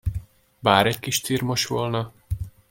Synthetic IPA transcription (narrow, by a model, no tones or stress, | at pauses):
baːɾɛckiʃt̪iːrmoʃʋolnɒ